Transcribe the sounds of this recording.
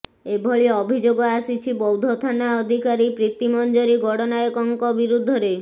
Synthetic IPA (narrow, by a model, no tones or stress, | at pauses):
ebʱɔɭiɔːbʱid͡ʒoɡɔasit͡ʃʰibɔwd̪ʱɔt̪ʰanaɔd̪ʱikaɾipɾit̪imɔnd͡ʒɔɾiɡɔɽɔnaekɔŋkɔbiɾud̪ʱːɔɾe